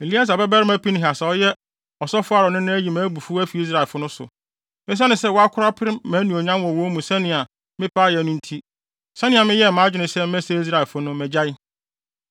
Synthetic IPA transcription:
e˨li˦a˦s̬a˨bɛ˦bɛ˦ɾɪ˦mæ˦pi˦nɪ̃˦ɦa˨sa˨ɔ˦jɛ˦ | ɔ˨sɔ˦fʊ˦a˦ɾɔ˨nɪ̃˦nɪ̃˦æ˦ji˨mæ̃ː˨˦bu˨fu˦æ˦fi˨i˦s̬ɾa˨ɛ˨fʊ˦nʊ̃˦sʊ̰˨ | mɪ̃˦s̬a˦nɪ̃˨sɛ˦wɔ˦a˦kʰʊ˦ɾa˦pʰɪ˦ɾɪ˦mæ̃˨˦nũ˨o˨ɲã˦mwɔ̃˨wo˦mũ˨sɛ̃˦nɪ̃˨a˨ | mɪ̃˦pʰa˦jɛ˨nʊ̃˦n̩˦tʰi˦ | sɛ̃˦nɪ̃˨a˨mɪ̃˦jɛ˦˨mãː˨˦d͡ʑᶣɪ˨nɪ̃˨sɛ˦m˦ɛ˦sɛ˦i˦s̬ɾa˨ɛ˨fʊ˦nʊ̃˦mɛ̃˨d͡ʑa˦ɪ˦

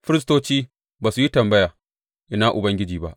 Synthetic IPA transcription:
ɸɪ˦ɾɪ˦stoː˦t͡ʃiː˦ | baː˨su˨ji˦tɐ˨mbɐ˦jaː˨ | ʔɪ˦naː˦ʔʊ˨bɐ˦ŋɡʲɪ˦d͡ʒiː˨ba˦ʔ

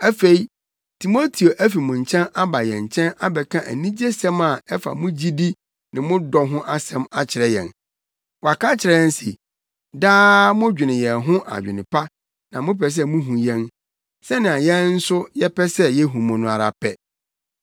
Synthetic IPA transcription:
æ˦fe˨i˦ | tʰi˨mo˦tʰi˨o˨ʔæ˦fi˨mʊ̃˨ɲ̩˨t͡ɕʰɛ̃˦na˦ba˨jɛ̃˨ɲ˨t͡ɕʰɛ̃˦na˦bɛ˨kʰã˦˨ʔæ̰˨nĩ˦d͡ʑe˦sɛ̃˦ma˨ɛ˦fa̰˨mʊ̃˦d͡ʑi˦di˦ | nɪ̃˨mʊ̃˦dɔ˨ɦʊ̃˦ʔa˦sɛ̃˦ma˦t͡ɕʰɪ˨ɾɛ˦jɛ̰̃˨n | wɔ˨a˨ka˦t͡ɕʰɪ˨ɾɛ˦n˦sḭ˨ | daː˦mʊ̃˦d͡ʑᶣɪ˨nɪ̃˨jɛ˨ɦʊ̃˦ʔa̰˨d͡ʑᶣɪ˨nɪ̃˨pʰa˦ | nã˨mʊ̃˦pʰɛ˨s̬ɛ˦mũ˦ɦũ˨jɛ̃˦n | sɛ˦nɪ̃˨a˨jɛ̃˦n˦n̩˦sʊ˦jɛ˦pɛ˦sɛ˦jɛ˦ɦũ˨mɔ̃˨nʊ̃˨a˨ɾa˨pʰɛ˦

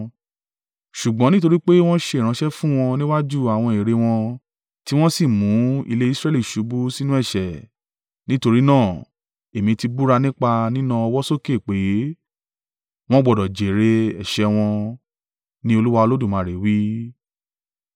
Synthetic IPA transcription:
ʃu˨ɡ͡bɔ̃˨˦nĩ˦to˧ɾi˦k͡pe˦w̃ɔ̃˦ʃe˧˦˨ɾ̃ã˧ʃɛ˦fũ˦w̃ɔ̃˧nĩ˦wa˦d͡ʒu˦a˨w̃ɔ̃˧e˨ɾe˧w̃ɔ̃˧ | ti˦w̃ɔ̃˦si˦˨mũ˨˦ḭ˧le˦i˦sɾɛ˦li˦˨ʃu˨˦bu˦si˦nũ˦ɛ˦˨ʃɛ˨ | nĩ˦to˧ɾi˦nãː˦˨ | e˨mĩ˧ti˧bu˦ɾa˧nĩ˦k͡pa˧nĩ˦nã˧ɔ˧wɔ˦so˦ke˦˨k͡pe˨˦ | w̃ɔ̃˦ɡ͡bɔ˨dɔ˨d͡ʒe˨ɾe˧ɛ˨ʃɛ˧˦w̃ɔ̃˧ | nĩ˦o˧lu˦wa˧o˧lo˦du˦˨mãː˨˦˨ɾe˨wi˦

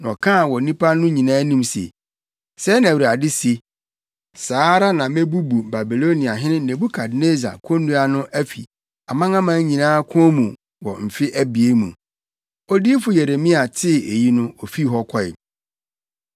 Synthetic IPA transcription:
n˨ɔ̰˨kʰã˦˨wɔ˨nĩ˦pʰa˦nʊ̃˦ɲĩ˨nãː˦nĩ˦msḛ˨ | sɛ˦nã˨a˨dɪ˦se˨ | saː˨˦ɾa˦nã˨mẽ˦bu˦bu˨ba˨bi˨lo˦nĩ˨a˨ɦɪ̃˦nɪ̃˦nẽ˨bu˦kʰa˨dne˦za̰˨kʰɔ̃˦nːũ˦a˨nʊ̃˦ʔæ˦fḭ˨ | a˨mã˦ŋã˦mã˦ɲĩ˨nãː˦kʰʊ̃˦ɔ˦mũ˨ | wɔ˨m̩˨fɪ˦ʔæ˦bi˨e˦mũ˨ | ɔ˦diː˦fʊ˨je˨ɾe˨mĩ˦a˨tʰɪ˦˨e˨ji˦nʊ̃˦ɔ˨fi˦ɦɔ˦kʰɔ˦ɪ̰˨

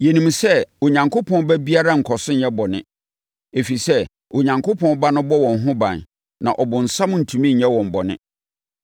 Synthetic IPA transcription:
je˨nĩ˨m˨sɛ˦o˨ɲã˨ŋkʰo˦pʰɔ̃˦n˦bɛ˦bi˦a˦ɾa˦ŋ̩˨kʰɔ˨sʊ̃˦n˦ɛ˦bɔ˨nɪ̰̃˦ | e˨fi˨sɛ˦ | o˨ɲã˨ŋko˦pʰɔ̃˦n˦ba˦nʊ̃˦bɔ˦wɔ̃˨n˨ɦʊ̃˦bã̰˨n | nã̰˨ʔɔ˨bʊ̃˨n̩˨sã˦m˦n̩˨tʰũ˨mĩ˦ɲ̩˨ɲɛ̃˦wɔ̃˨m̩˨bɔ˨nɪ̰̃˦

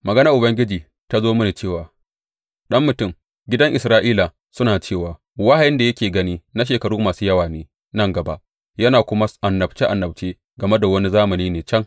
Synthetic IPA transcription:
mɐ˨ɡɐ˦nɐ˦ʔʊ˨bɐ˦ŋɡʲɪ˦d͡ʒiː˨ | ta˦zoː˦mʊ˦ni˨t͡ʃeː˦˨waː˨ | ɗɐ˦mːʊ˨tʊ˦m | ɡʲɪ˦dɐ˦ŋʔɪ˨sɾaː˦ʔiː˦la˨ | sʊ˦naː˨t͡ʃeː˦˨waː˨ | wa˦ha˨jɪ˦nda˨jɐ˦kʲeː˨ɡɐ˦niː˦na˦ʃ̬eː˨kɐ˨ɽuː˦maː˨suː˦jɐ˦waː˨neː˨ | nɐ˦ŋɡɐ˨ba̰˦ʔ | jɐ˦naː˨kʷʊ˦ma˦ʔa˨nːɐ˨bt͡ʃe˦ʔa˨nːɐ˨b̚t͡ʃeː˦ | ɡɐ˨me˦da˨wɐ˦ni˦zaː˦mɐ˨niː˦neː˨t͡ʃɐ˦ŋ

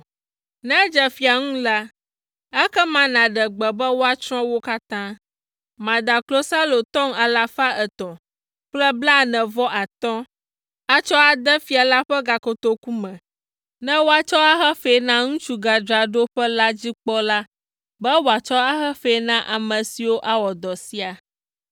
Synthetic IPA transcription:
nɛ̃˦d͡ʒɛ˨fi˨a˨ŋũ˦la˦ | ɛ˦kɛ˦mã˨nã˨ɖɛ˨ɡ͡bɛ˨bɛ˦wo˦a˦t͡ʃɾɔ̃˦wo˦ka˦t̪ã˦ | mã˨d̪a˨klo˦sa˦lo˨t̪ɔ̃˦ŋa˨la˨fa˦ʔɛ˨t̪ɔ̃˨ | k͡plɛ˦bla˦nɛ̃˨vɔ˦ʔa˨t̪ɔ̃˦ | a˦t͡ʃɔ˦a˨d̪ɛ˦fi˨˦a˨la˦ɸɛ˦ɡa˨ko˨t̪o˨ku˦mɛ̃˨ | nɛ̃˦wo˦a˦t͡ʃɔ˦a˦xɛ˦fɛ˨˦nã˦ŋũ˦t͡ʃu˦ɡa˨d͡ʒɾa˨ɖo˦ɸɛ˦la˦d͡ʑi˦k͡pɔ˦la˦ | bɛ˦wo˨a˨t͡ʃɔ˦a˦xɛ˦fe˨˦nã˦ʔa˨mə̃˨si˨wo˦ʔa˦wɔ˨d̪ɔ˨si˦a˨

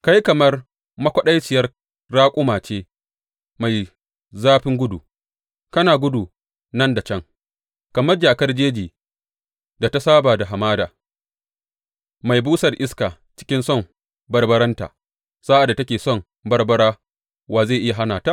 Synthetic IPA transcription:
ka˦jkɐ˨mɐ˦r | mɐ˦kʷɐ˦ɗa˦jt͡ʃɪ˨jɐ˦r | ɽaː˦kʷʼʊ˦maː˨t͡ʃeː˦ | ma˨j | zaː˦ɸɪ˦ŋɡʷʊ˦du˨ | kɐ˦naː˨ɡʷʊ˦du˨ | nɐ˦nda˨t͡ʃɐ˦ŋ | kɐ˨mɐ˦rd͡ʒaː˨kɐ˦rd͡ʒeː˦d͡ʒiː˨ | da˨ta˦saː˦baː˨da˨ɦa˨maː˦daː˨ | ma˨jbuː˦sɐ˨rʔɪ˦skaː˨ | t͡ʃɪ̥˦kʲɪ˦nsɔ˦˨m | bɐ˦rbɐ˦ɾɐ˦nta̰ː˨ | saː˦ʔa˨dːa˨tɐ˦kʲeː˨sɔ˦˨ŋ | bɐ˦rbɐ˦ɽaː˦ | waː˨zeː˦˨ʔɪ˦ja˨ɦa˦naː˨taː˦ʔ

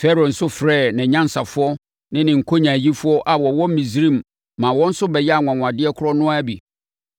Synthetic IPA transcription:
fɛ˦ɾo˨n̩˨sʊ˦fɾɛː˦˨nɪ̃˨ɲã˦n̩˨sa˨fʊ˦ɔ˦ | nɪ̃˦nɪ̃˨ŋ̩˨kʰo˦ɲã˨ji˦fʊ˦ɔ˦ʔa˨wɔ˨wɔ˦m̩˦mĩ˨zɾĩ˦˨m | mã˨wɔ̃˦n̩˦sʊ˦bɛ˨jɛ˦a˨ŋʷã˨ŋʷ˨ã˨dɪ˦ɛ˦kʰʊ˦ɾɔ˦nʊ̃˦a˦bi˨

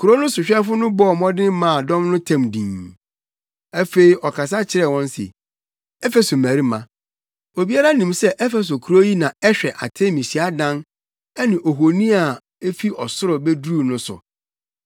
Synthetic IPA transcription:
kʰu˨ɾo˦nʊ̃˦sʊ˨ɕᶣɛ˦fʊ˦nʊ̃˦bɔ˦˨mɔ̃˦dɪ̃˦mã˦˨dɔ̃˦mnʊ̃˦tʰã˦mdĩː˨n | ɛ˦fe˨i˨ɔ˨kʰa˨s̬a˦t͡ɕʰɪ˦ɾɛ˨wɔ̃˦n˦sɪ̰˨ | ɛ˦fe˨so˨mæ̃˨ɾi˦mã˨ | o˨bi˦a˦ɾa˦nĩ˨msɛ˦ʔɛ˦fɛ˨s̬o˨kʰu˨ɾo˦ji˦nã˨ɛ˦ɕᶣɛ˨ʔa̰˨tʰe˦mĩ˨si˨˦a˦dã˦n | ɛ˦nɪ̃˨ʔo˨ɦo˨nĩ˦a˨ | e˦fi˦ʔɔ˨sʊ˦ɾʊ˨bɛ˦duː˦nʊ̃˦sʊ̰˨

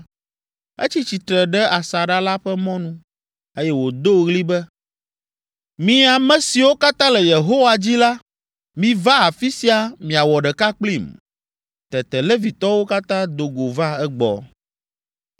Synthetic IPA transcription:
ḛ˦t͡ɕi˦t͡ɕi˨t̪ɾɛ˨ɖɛ˦a˨sa˨ɖa˦la˦ɸɛ˦mɔ̃˦nũ˦ | e˦jɛ˦wo˨d̪o˦ɣli˦bɛ˦ | mĩ˦a˨mɛ̃˦si˨wo˦ka˦t̪ã˦lɛ˨je˨ɦo˦wa˨d͡ʑi˦la˦ | mĩ˨va˦a˨fi˦si˦a˨mĩ˨a˨wɔ˨ɖɛ˨ka˦k͡pli˦˨m | t̪ɛ˨t̪ɛ˨le˦vi˨t̪ɔ˦wo˦ka˦t̪ã˦d̪o˨ɡo˨va˦ɛ˦ɡ͡bɔ̰˨

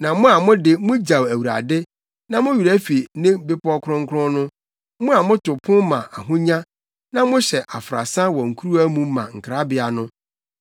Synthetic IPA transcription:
nã˨mʊ̃˦a˨mʊ̃˦dɪ˦mʊ̃˦d͡ʑa˨wæ˨wu˨ɾa̰˨dɪ˦ | nã˦mʊ̃˦ɥu˨ɾæ˦fi˨nɪ̃˦bɪ˦pʰɔ˦kʰɾʊ̃˦ŋ˦kʰʊ˦ɾʊ̃˦nʊ̃˦ | mʊ̃˦a˨mʊ̃˦tʊ˨pʰʊ̃˦mã˨ʔa˨ɦʊ̃˦ɲã˦ | nã˦mʊ̃˦ɕɛ˨ʔa˨fɾa̰˨sã˦wɔ˨ŋ̩˨kʰu˦ɾu˦æ˦mũ˨mã˨ŋ̩˨kʰɾa˦bɪ˦a˨nʊ̃˦

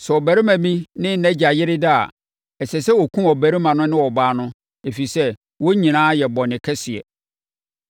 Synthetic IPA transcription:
sɛ˨ɔ˨bæ˨ɾi˦mæ̃˨mĩ˦nɪ̃˦˨næ̃˦d͡ʑa˨jɪ˦ɾɪ˦da˦a̰˨ | ɛ˨sɛ˨sɛ˦wɔ˨kʰũ˦ɔ˨bæ˨ɾi˦mã˨nʊ̃˦nɪ̃˦wɔ˨baː˦nʊ̃˦ | e˨fi˨i˨sɛ˦ | wo˦ɲĩ˨nãː˦jɛ˨bɔ˨nɪ̃˨kʰɛ˦sɪ˨ɛ̰˨

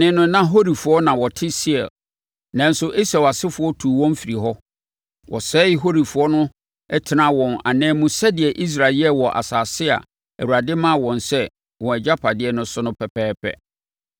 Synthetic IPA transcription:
nɪ̃˦nʊ̃˦nã˦ɦo˦ɾi˨fʊ˨ɔ˦nã˨wɔ˨tʰɪ˦si˦ɛ̰˨l | nã˦n˦sʊ˦ʔe˦sɛ˨wa˨sɪ˦fʊ˨˦ɔ˦tʰuː˨wɔ̃˦m˦fi˨ɾi˨ɦɔ˦ | wʔɔ̰˨sɛː˦ɪ˦ɦo˦ɾi˨fʊ˨˦ɔ˦nʊ̃˦ | ɛ˦tʰɪ˨nã˦wɔ̃˨na̰˨nɛ̃ː˦mũ˦sɛ˦dɪ˨ɛ˨ʔi˦s̬ɾa˨lɛ˦wɔ˨ʔa̰˨saː˨sɪ˦a̰˨ | ɛ̰˨wu˨ɾa˨dɪ˦mã˦˨wɔ̃˨nsɛ˦ | wɔ̃˨ɛ˨d͡ʑa˦pʰa˨dɪ˦ɛ˨nʊ̃˦sʊ˦nʊ̃˦pʰɛ˨pʰɛː˦pʰɛ̰˦

